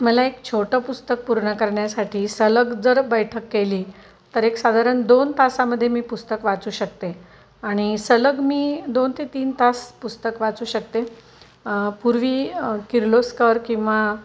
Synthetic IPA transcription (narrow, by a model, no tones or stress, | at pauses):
məlaekt͡ɕʰoʈəpust̪ək̚puɾɳəkəɾɳjasaʈʰiːsələɡd͡zəɾbəjʈʰəkːeliː | t̪əɾeksad̪ʱaɾəɳd̪ont̪asaməd̪ʱːjemiːpust̪əkʋat͡suːɕək̚t̪e | aɽ̃isələɡmiːd̪ont̪ʰet̪iːnt̪ʰaspust̪əkʋat͡suːɕək̚t̪e | puɾʋiːkiɾloskəɾkĩw̃ʋa